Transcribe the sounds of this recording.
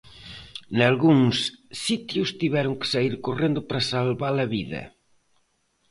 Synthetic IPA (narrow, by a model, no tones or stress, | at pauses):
nalɣuŋsːit̪jʊst̪iβɛɾʊŋkɪ̥saiɾkorend̪ʊpɾɐsalβalɐβiðɐ̰